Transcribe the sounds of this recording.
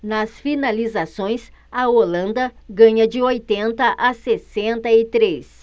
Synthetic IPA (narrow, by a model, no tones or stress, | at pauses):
nɐsfinalizasõj̃s | ɐolɐ̃nd̪ɐɡɐ̃ɲɐd͡ʒɪojt̪ẽnt̪ɐʔasesẽnt̪ɐɪt̪ɾes